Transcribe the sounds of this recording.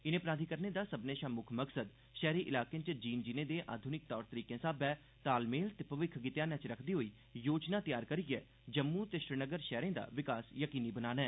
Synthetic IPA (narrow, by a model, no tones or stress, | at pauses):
ɪnẽːpɾaːd̪ʱiːkəɾneːd̪aːsəbneːʃaːmʊkʰməksəd̪ | ʃɛːɾiːʔɪlaːkẽt͡ʃd͡ʒiːnd͡ʒiːneːd̪eːʔa̰ːd̪ʱʊnɪk̚t̪ɔːɾt̪əɾiːkẽːsaːbɛː | t̪aːlmeːlt̪eːpəʋɪkʰɡɪt̪jaːnãːt͡ʃɾəkʰd̪iːɦoːiː | joːd͡ʒnãːt̪ɪjaːɾkəɾiɡɛː | d͡ʒəmːuːt̪eːʃɾɪnəɡəɾʃɛːɾẽːd̪a̰ːʋɪkaːsjəkiːniːbənaːnaɛː